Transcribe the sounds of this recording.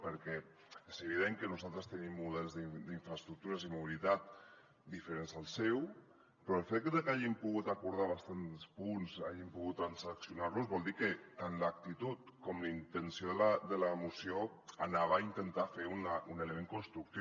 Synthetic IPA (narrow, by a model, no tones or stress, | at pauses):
pəɾkɛ | ezəβið̞eŋkənuzalˠt̪ɾəst̪ənimːuðɛlˠzðid̪iɱfɾəst̪ɾuk̚t̪uɾəzimuβilit̪at̪̚ | d̪ifəɾenzəlˠsɛw | pɾɔəlˠfet̪̚dðəkaʒimpuɣut̪akuɾð̞aβ̞ast̪anspunsaʒimpuɣut̪ːɾansksjunaɾluzβɔlˠd̪ikət̪anləak̚t̪it̪ut̪̚kɔmləint̪ənsijoðələd̪ələmusio | anaβəaint̪ənt̪afeunəʔuneləmeŋkunst̪ɾuk̚t̪i